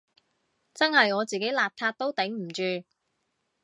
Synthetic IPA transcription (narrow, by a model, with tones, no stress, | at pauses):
t͡sɐ˥nhɐ˨jŋɔː˨˧t͡siː˨ke˨˥jlaː˨p̚t̪ʰaː˧t̚t̪o˥wt̪e˨˥ŋm̩˨˩t͡ʃyː˧